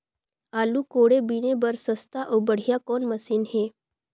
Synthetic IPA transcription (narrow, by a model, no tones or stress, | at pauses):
aluːkoɽebinebəɾsəst̪aʔobəɽ̤jakɔnməsiːnɦe